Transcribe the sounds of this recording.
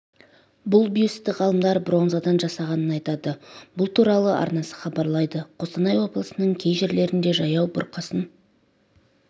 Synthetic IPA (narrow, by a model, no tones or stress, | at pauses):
bʊlˠbijust̪ɪʁɑlˠəmd̪ɑɾbɾo̞nzad̪ɑnʒɑsɑʁɑnənɑjt̪ɑd̪əbʊlˠt̪ʰuɾɑlˠəʔɑ̰ɾnɑsə̥χɑbɑɾlˠɑjd̪əqʰo̞st̪ɑnɑjwo̞blˠəsənəɴkʲʰe̞jʒeɾle̞ɾɪnd̪e̞ʒɑjɑwbʊ̰ɾqəsən